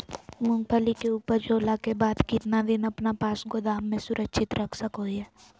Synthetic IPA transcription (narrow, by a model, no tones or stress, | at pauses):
mʊ̃ŋɡ̚pʰəlikeuːpəɾd͡ʒoːlakebaːd̪kɪt̪nad̪ɪnɐpnapaːsɡod̪aːmːẽsʊɾəkʃʰɪt̪ɾəkʰsəkɦoiɦɛː